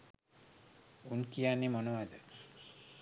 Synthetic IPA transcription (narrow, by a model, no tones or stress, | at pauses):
unkijanːimonoʋad̪ə